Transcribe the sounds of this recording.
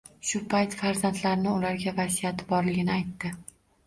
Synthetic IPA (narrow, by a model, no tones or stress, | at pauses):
ʃʊpʰajt̪faɾzant̪laɾnɪʊlaɾɡʲavasijat̪ʰɪbɒɾlɪɡʲɪnɪajt̪ːɪ